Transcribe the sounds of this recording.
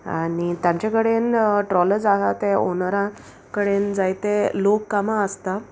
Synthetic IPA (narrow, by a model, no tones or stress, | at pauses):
a̰ɽit̪jãɲt͡ɕakəɽenʈɾɔləɾd͡zaɦat̪eonaɾa | kəɽend͡zajt̪elokːamaəst̪a